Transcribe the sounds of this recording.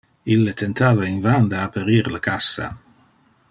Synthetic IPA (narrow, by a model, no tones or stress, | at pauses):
ilːet̪ʰent̪aːvainvand̪aapaɾiːɾlakasːa̰